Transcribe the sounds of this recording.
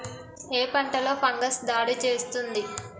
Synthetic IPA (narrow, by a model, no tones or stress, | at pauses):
eːpɐɳʈɐlo̞ːpʰɐŋɡɐsd̪aːɽit͡ʃe̞ːst̪und̪i